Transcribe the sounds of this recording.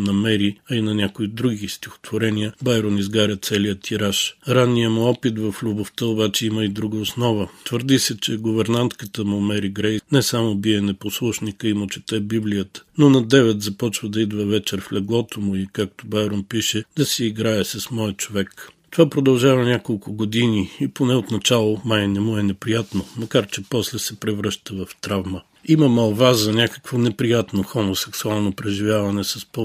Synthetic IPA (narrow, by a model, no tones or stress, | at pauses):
nɐmɛɾiɐinɐnʲakʊid̪ɾuɡʲist̪ʲi̥xo̥t̪voɾɛnijəbajɾonizɡaɾʲət̪sɛlijət̪ʰiɾaʃɾanːijəmʊɔpit̪vɐflʲʊboft̪əobat͡ʃɛiməid̪ɾuɡəosnɔvət̪vəɾd̪isɛt͡ʃɛɡʊvɛɾnant̪kət̪əmʊmɛɾiɡɾɛjnɛsamobiɛnɛposlˠuʃnikəimot͡ʃɛ̥t̪ɛbiblijət̪ə̥nonɐd̪ɛvɛt̪zɐpɔt͡ʃvəd̪ɐid̪vəvɛt͡ʃɛɾflʲɛɡlˠɔt̪omʊikak̚t̪obajɾompiʃɛd̪ɐsɛːɡɾaɛsɐsmɔjət͡ʃovɛkt̪ovapɾod̪ɐlˠʒavɐnʲakolˠkʊɡod̪iniiponɛot̪nɐt͡ʃalˠomajnɛmuɛnɛpɾijat̪nomɐkaɾt͡ʃɛpɔslɛsɛpɾɛvɾəʃt̪əvɐft̪ɾavmə | iməmɐlˠvazɐnʲakə̥kvonɛpɾijat̪noxomosɛksualˠnopɾɛʒivʲjavɐnɛsɐspɔ